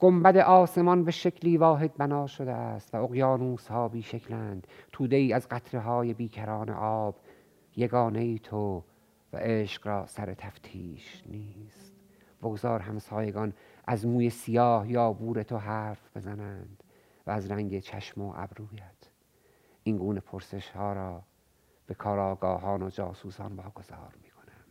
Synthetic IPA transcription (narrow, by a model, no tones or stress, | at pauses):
ɡ̥ombæd̪eʔɒːse̞mɒnbe̞ʃecʰliːvɒːɦe̞d̪̚bænɒːʃod̪eæst̪væoɣjɑːnuːshɒːbiːʃekʰlæːnd̪̥t̪ʰuːd̪e̞iːæzɢæt̪ʰɾeɦɒːje̞biːkʰæɾɒːnḛʔɒːb̥ | jeɡɒːnejiːt̪ʰo | væ̰ʔeʃqɾɒːsæɾet̪ʰæft̪ʰḭːʃniːst̪ | boɡozɒːɾɦæmsɒːjeɡɒnʔæzmuːje̞sijɒːhjɒːbuːɾe̞t̪ʰoɦæɾfb̥e̞zænænd̪̥ | væːzɾæŋɟet͡ʃʰæʃmoʔæ̰bɾuːjæt̪ | ʔinɡuːnepʰoɾse̞ʃhɒːɾɒː | b̥e̞kʰɒːɾɒːɡɒːɦɒːnod͡ʒɒːsuːsɒ̰ːnvɒːɡo̞z̥ɒ̰ːɾmiːkʰo̞næm